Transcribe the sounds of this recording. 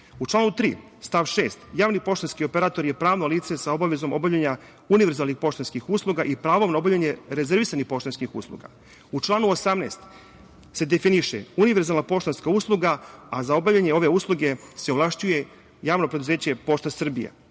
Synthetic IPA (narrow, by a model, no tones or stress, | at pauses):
ut͡ʃlaːnut̪ɾiː | st̪aʋʃeːst̪jaːʋnipo̞ʃt̪onskio̞pe̞ɾaːt̪o̞ɾjepɾaːʋnoliːt̪sesao̞baʋe̞zo̞mo̞̰bavʎaɲa | uniʋeɾzaːlˠnixpo̞ʃt̪onskixuːslˠuɡaʔipɾaːʋo̞mnao̞bavʎaɲe̞ɾezeɾʋisanixpo̞ʃt̪onskixṵːslˠṵɡa̰ | ut͡ʃlˠaːnuosamneːst̪ | se̞d̪efiniʃḛuniʋeɾzalnapo̞ʃt̪onskauːslˠuɡaazao̞bavʎaɲeo̞ʋe̞uːslˠuɡese̞oʋlˠaʃt͡ɕuje̞ | jaːʋno̞pɾe̞d̪uze̞ːt͡ɕe̞po̞ʃt̪asr̩bḭja̰